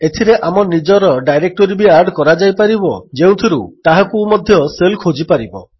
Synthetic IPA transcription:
et̪ʰiɾeʔamɔnid͡ʒɔɾɔɖajɾek̚ʈoɾibiaɾɖkɔɾad͡ʒajpaɾibɔd͡ʒew̃t̪ʰiɾṵt̪aɦakumɔd̪ʱjɔselkʰod͡ʒipaɾibɔ

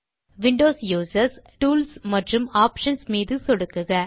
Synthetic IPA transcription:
ʋɪɳɖoːsjuːsɐɾsʈuːlsmɐʈrɯmaːpʂɐnsmiːðɯsɔɽɯkːɯɣɐ

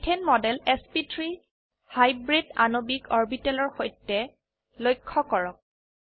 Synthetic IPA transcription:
tʰɛnmɔdɛlɛspitɹi | hajbɹida̰nobikɔɹbitɛlɔɹxojtːɛ | lojkʰːɔkɔɹɔk̚

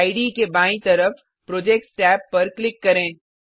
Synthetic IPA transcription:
iɖikebãːĩt̪ɐɾəf | pɾoːd͡ʒeːk̚ʈsʈɛːpːɐɾklɪkːɐɾẽː

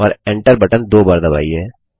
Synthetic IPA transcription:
ɔːɾẽɳʈəɾbɐʈənd̪oːbaːɾd̪ɐba̰ːiɦɛː

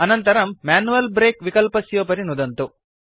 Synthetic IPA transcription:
ɐnɐnt̪ɐɾɐmːaːnuʋɐlbɾeːkʋikɐlpɐsjoːp̬ɐɾinud̪ɐnt̪u

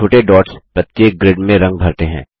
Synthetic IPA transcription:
oːʈeɖɔːʈspɾɐt̪ːeːk̚ɡɾɪɖmẽɾɐ̃ŋɡ̚bʱɐɾt̪eɦɛ̰̃ː

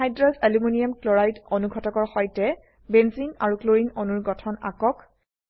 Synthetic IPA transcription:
ajdɹɔzelumoniamklɔɹajtonuɡʱɔtɔkɔɹxɔjtɛ | bɛnzinaɹukloɹinonuɹɡɔtʰɔna̰kɔk

